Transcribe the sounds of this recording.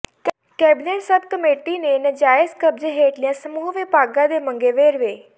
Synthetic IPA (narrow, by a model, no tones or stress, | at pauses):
kɛːbɪneːʈsəbʱkəmeːʈinenəd͡ʒaːjəskəb̚d͡ʒeɦeːʈlijãsəmuːɦʋɪpaːɡãd̪emə̃ŋɡeʋeːɾʋeː